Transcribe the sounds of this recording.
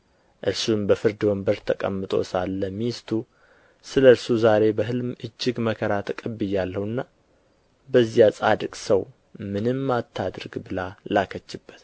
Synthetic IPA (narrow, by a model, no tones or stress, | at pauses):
ʔɨɾsumbəfɨɾd̪wəmbəɾt̪ʰəkʼə̰mːɨt̪ʼo̞̰salːəmist̪ʰu | sɨləɾsuzaɾe̞bəɦɨlmɨd͡ʒːɪɡməkʰəɾat̪ʰəkʼəbːɨjːalːəhɨnːa | bəzːjasʼad̪ɨkʼsəw | mɨnɨmːat̪ʰːad̪ɾɡbɨlalakʰət͡ʃːɪbːət̪